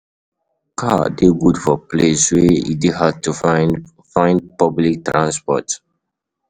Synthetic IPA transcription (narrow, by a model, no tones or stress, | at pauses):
kʰadeɡudfɔpleswɛḭdiɦad̚tu | fãɪ̃ndpɔblik̚tɹãnspɔ̰t